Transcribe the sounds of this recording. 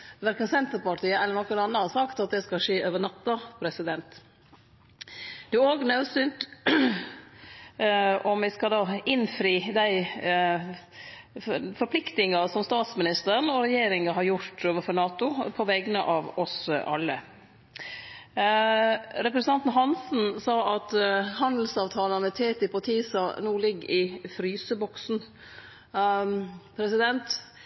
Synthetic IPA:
ʋæɾkənsɛnt̪əɾpɑʈʰiːəɛləɳɔkːənɑnːəhɑsɑkt̪ɑt̪̚d̪ɛskɑʂeːʔøːʋəɳɑt̪ːɑpʰɾɛsɪd̪ɛnt̪ | d̪̥ɛæɾoːɡnɑʉsyːnt̪ | ɔmʋɪskɑd̪ɑːɪnfɾiːd̪æɪ | fɔɾpʰlɪkt̪ɪŋɑsɔmst̪ɑːt̪smɪnɪst̪əɾənɔɾɛjeːɾɪŋəɦɑɾjʊɾt̪oːʋəfɔɾɳɑːt̪ʊpʰɔʋɛɡənəʔɑːʋɔsʔɑ̰lːə̰ | ɾɛpɾɛsənʰɑnt̪n̩ɦɑnsn̩sɑːʔɑt̪hɑnd̪l̩sɑːʋt̪ʰɑːlənət̪ʰeːt̪ɪpɔt̪ʰiːsɑnuːlɪɡːɪfɾyːsəbɔksn̩ | pʰɾɛsɪd̪ɛnt̪

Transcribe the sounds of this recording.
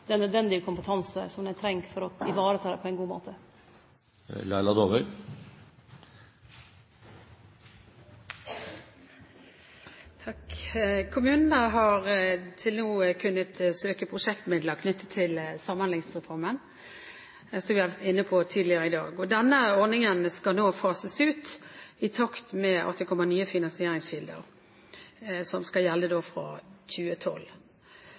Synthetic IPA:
d̪ɛnœd̪ʋɛnd̪ɪəkʰʊmpət̪ʰɑnsə̰sɔmd̪æɪt̪ʰɾɛŋkfɔɾɔɪʋɑːɾət̪ʰɑːd̪ɛpɔɛɪnɡuːmo̰ːt̪ʰə | lɑɪlɑd̪oːʋœʏ | t̪ʰɑkkʰʊmʉːnnəɦɑɾt̪ʰɪlnuːəkʰʉnːət̪søːkəpʰʁʊʂɛkt̪mɪd̪ləkʰnʏt̪ʰːə̥t̪ʰɪlsɑmːɑnlɪŋsʁɛfɔʁmən | sɔmʋɪhɑʋæt̪ɪnːəpʰot̪ʰiːd̪lɪəɾəɪd̪ɑ̰ːɡɔd̪ɛnːəɔɾnɪŋənskɑlnoːfɑːsəsʉːt̪ɪt̪ʰɑkt̪mɛʔɔ̰t̪ːɪkʰɔmɑnyːəfɪnɑnsɪeːʁɪŋsɕɪld̪ə̰ʁ | sɔmskɑjɛlːəd̪oːfɾɑ̰çʉːət̪ʰɔ̰l

